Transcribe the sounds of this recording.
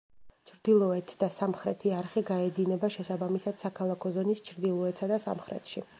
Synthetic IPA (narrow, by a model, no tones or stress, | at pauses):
t͡ʃʰɾd̪ilˠɔɛt̪ʰd̪asamχɾɛt̪ʰiaɾχiɡaɛd̪inɛbaʃɛsabamisad̪̥sakʰalˠakʰɔzɔnist͡ʃʰɾd̪ilˠɔɛt̪sad̪asa̰mχɾɛ̰t̪ʰʃi